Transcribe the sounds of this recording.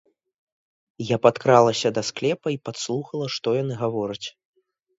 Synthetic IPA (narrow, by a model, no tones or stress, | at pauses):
japat̪kɾalˠɐsʲɐd̪ɐsklʲɛpɐipat̪slˠuxɐlˠɐʂt̪ɔjan̪ɨɣavɔɾɐt͡sʲ